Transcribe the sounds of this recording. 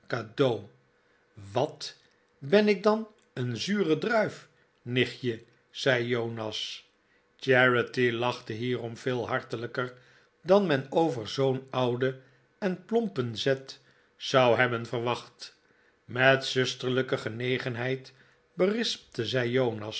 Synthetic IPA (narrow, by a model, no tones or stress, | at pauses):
kadow | ʋɑt | bɛnɪk̚dɑn | ənzyːrədrœɥf | nɪχjə | z̥ɛjjownɑs | t͡ʃɛɹətilɑχtəɦiːrɔmv̥eɪːlˠɦɑɹtələkəɹ | dɑnmɛnowvəɹzownɑwdə | ɛnplɔmpənzɛt | sɑwɦɛbənvəɹʋɑχt | mɛtsʏstəɹləkəχənejχənɦɛjt | bərɪsp̚təzɛjjownɑs